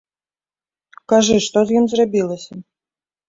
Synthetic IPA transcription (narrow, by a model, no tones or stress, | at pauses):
kaʐɨʂt̪ɔzjimzrabʲilˠɐsʲɐ